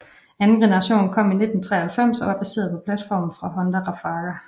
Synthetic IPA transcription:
ænn̩ɡ̥enɐʁɑ̈ɕo̰ːnkʰɒ̽m̰ine̝d̥n̩t͡sʰʁɛ̰ːɐhælfem̰sɒ̽ʋɑ̈b̥æse̝̰ːɐð̞̩ˠpʰɒ̽pʰlæd̥fɒ̰ːmn̩fʁɑ̈ɦɒ̽nd̥æʁɑ̈fɑ̈ːɡ̥æ

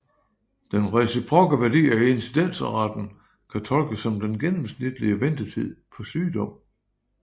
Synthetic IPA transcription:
d̥enʁɛsipʰʁɔ̽ɡ̥əʋæɐdḭːɐie̝nsid̥en̰sʁɑd̥n̩ | kʰæt͡sʰɒ̽lɡ̥əsɒ̽md̥enɡ̥enmsnid̥əliəʋend̥ət͡sʰið̰ˠpʰɒ̽syːd̥ɒ̽m̰

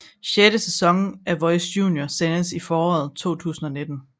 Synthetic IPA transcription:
ɕeɾəsesɒ̽ŋn̩æʋɒ̽ɪsjṵːnjosenəsifɒːɒ̰ð̩ˠt͡sʰo̝̰ːt͡sʰṵːsn̩ɒ̽ne̝d̥n̩

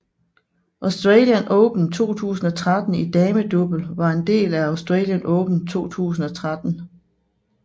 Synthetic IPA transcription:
ʔɑʊsd̥ʁɛːljənʔɔ̽ːb̥n̩t͡sʰo̝̰ːt͡sʰṵːsn̩ɒ̽t͡sʰʁad̥n̩id̥ɛːməd̥ub̥l̩ʋɑ̈e̝nd̥e̝̰ːlæɑ̈ʊsd̥ʁɛ̰ːljənʔɔ̽ːb̥n̩t͡sʰo̝̰ːt͡sʰṵːs̬n̩ɒ̽t͡sʰʁad̥n̩

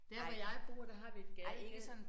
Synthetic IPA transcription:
d̥eɐʋɒjɑ̈ɪb̥ʁṵːɐd̥æɦɑ̈ʋied̥ɡ̥æeɡ̥əsɒ̽n

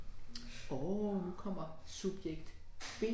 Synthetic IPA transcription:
ɒnukʰɒ̽m̰ɐsub̥jeɡ̥̚d̥ | b̥e̝

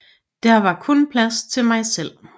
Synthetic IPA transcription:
d̥æɐʋɑ̈kʰɔ̽npʰlæst͡sʰe̝lmɑ̈ɪsel̰

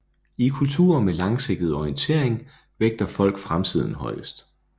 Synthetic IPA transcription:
ikʰult͡sʰṵːɐmelɑ̈ŋse̝ɡ̥̚d̥ð̩ˠɒiənt͡sʰe̝̰ɐ̰e̝ŋ | ʋeɡ̥̚d̥ɐfɒ̽l̰ɡ̥fʁamt͡sʰið̞̰ˠn̩ɦɒ̽ɪəsd̥

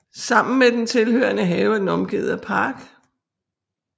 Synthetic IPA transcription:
sɑ̈m̰n̩med̥ent͡sʰe̝lhøːɐnəɦɛːʊæd̥en̩ɒ̽mɡ̥ḭːðˠɐpʰɑ̈ːɡ̥

